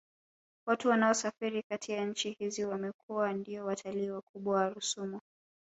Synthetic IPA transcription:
watuwanaɔsafiɾikatʰijaɲ̩t͡ʃihiziwamɛkuwandiɔwatʰaliːwakʰuɓwawaɾusumɔ

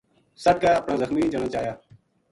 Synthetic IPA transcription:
səʈ̚kaːəpɳãːzəxmiːd͡ʒəɽ̃aːt͡ʃaːjaː

